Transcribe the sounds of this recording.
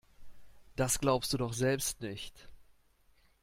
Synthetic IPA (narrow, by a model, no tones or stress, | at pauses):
d̥asɡ̥laʊpstd̥uːdɔχz̥ɛlpstnɪçt